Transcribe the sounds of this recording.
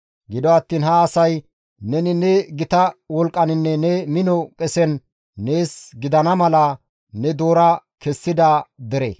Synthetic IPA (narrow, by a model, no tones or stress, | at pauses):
ɡɪd̪ɔɐt̪ːiːnhɐːsɐj | nɛnɪnɛɡɪt̪ɐwɔlkʼːɐnɪnːɛnɛmɪnɔkʼɛsɛnː | e̞ːsɡɪd̪ɐnɐmɐlɐ | nɛd̪o̞ːɾɐkɛsːɪd̪ɐd̪ɛɾḛː